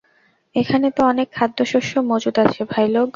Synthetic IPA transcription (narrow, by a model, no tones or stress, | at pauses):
ekʰanet̪oɔnekʰːad̪ːoʃoʃomod͡ʑud̪at͡ɕʰebʱajloɡ